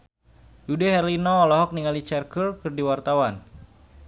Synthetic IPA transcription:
judɛɦɛrlinɔːlɔɦɔk̚niŋalit͡ʃɛrkərkɨrdiwart̪awan

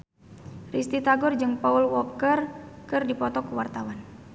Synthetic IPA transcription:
rist̪it̪aɡɔrd͡ʒɨŋpaulwɔkərkɨrdipɔt̪ɔkuwart̪awan

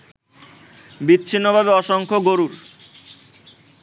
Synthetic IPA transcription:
bitːɕʰinːobʱabeɔʃoŋkʰoɡoɾuɾ

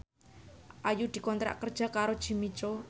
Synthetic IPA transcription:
ʔajud̪̥i̤kɔnt̪ɾa̰ʔkərd̥ʒ̥a̤kaɾod̥ʒ̥i̤mit͡ʃo

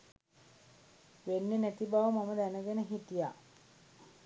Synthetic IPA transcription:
ʋenːenæt̪ibaʋəmaməd̪ænəɡenəɦit̪ija

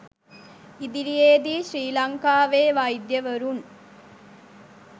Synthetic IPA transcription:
id̪iɾijeːd̪iʃɾiːlɐŋkaːʋeːʋɐjd̪jɐʋɐɾun

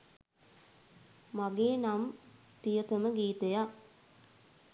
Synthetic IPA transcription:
maɡeːnam | pijət̪əməɡiːt̪əja

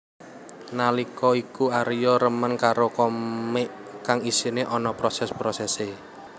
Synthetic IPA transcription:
nalikɔikuaɾijɔɾəmənkaɾokɔmɪʔ | kaŋisineʔɔnɔpɾɔsɛspɾɔsɛse

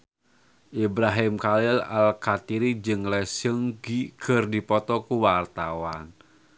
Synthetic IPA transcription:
ʔibɾaɦɪmkalɪla̰lkat̪iɾid͡ʒɨŋlɛsəŋɡiɡ̥ərdipɔt̪ɔkuwart̪awan

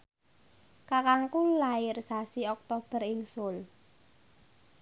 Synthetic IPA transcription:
kakaŋkulaɪrsasiɔk̚t̪ob̥ə̤rɪŋsʊl

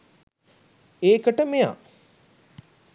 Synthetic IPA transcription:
eːkəʈəmeja̰

